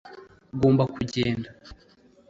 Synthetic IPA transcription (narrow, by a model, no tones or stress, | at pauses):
ɡoːmbakuɟeːnda